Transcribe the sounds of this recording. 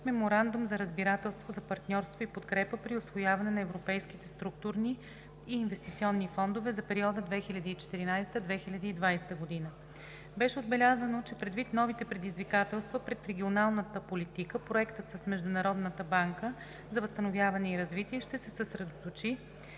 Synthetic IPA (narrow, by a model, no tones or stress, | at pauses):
mɛmoɾand̪umzɐɾəzbiɾat̪ɛlˠst̪vozɐpɐɾt̪nʲɔɾst̪voipot̪kɾɛpəpɾiosvojavɐnɛnɐɛvɾopɛjskit̪ɛst̪ɾuk̚t̪uɾniː | nvɛst̪it̪siɔnːifɔnd̪ovɛzɐpɛɾiɔd̪əd̪vɛxilʲɐd̪iːt͡ʃɛ̥t̪iɾinajst̪əd̪vɛxilʲɐd̪iːd̪vajsɛ̥t̪əɡod̪inə | bɛʃɛod̪̚bɛlʲazənot͡ʃɛpɾɛd̪vit̪nɔvit̪ɛpɾɛd̪izvikat̪ɛlˠst̪vɐpɾɛt̪ɾɛɡʲionalˠnət̪əpolit̪ikəpɾoɛkt̪ət̪səsmɛʒd̪ʊnɐɾɔd̪nət̪əbaŋkə | zɐvəst̪ənovʲjavɐnɛiɾɐzvit̪iɛʃt̪ɛsɛsəsɾɛd̪ot̪ot͡ʃi